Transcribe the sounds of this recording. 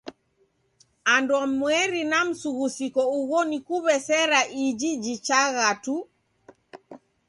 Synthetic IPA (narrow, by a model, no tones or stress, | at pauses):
andwamwɛɾinam̩suɣusikɔuɣɔnikuβɛsɛɾaʔid͡ʒid͡ʒit͡ʃaɣatu